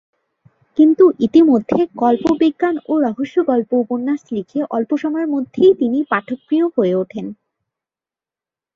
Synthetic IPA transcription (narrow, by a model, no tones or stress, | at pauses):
kint̪uʔit̪imod̪ʱːeɡɔlpobiɡːanoɾɔɦoʃːoɡɔlpouponːaʃlikʰeʔɔlpoʃɔmaeɾmod̪ʱːejt̪inipaʈʰokːɾijohoeoʈʰen